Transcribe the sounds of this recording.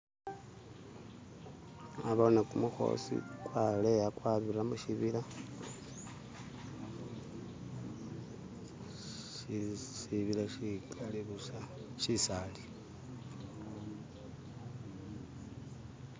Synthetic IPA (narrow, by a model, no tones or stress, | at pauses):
aβonekumuxo̞̰sḭkwalejakwaβiɾamuʃiβila | ʃiβilaʃikaliβusaʃisali